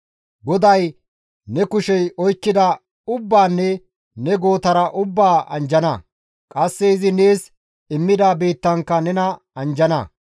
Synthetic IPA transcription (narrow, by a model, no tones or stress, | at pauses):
ɡɔd̪ɐj | nɛkʊʃɛjɔjkːɪd̪ɐ | ʊbːaːnːɛ | nɛɡo̞ːt̪ɐɾɐʔʊbːaːʔɐ̰nd͡ʒɐnɐ | kʼɐsːɛɪzɪne̞ːs | ɪmːɪd̪aːbeːt̪ːɐŋkːɐnɛnɐ | ɐnd͡ʒɐnɐ̰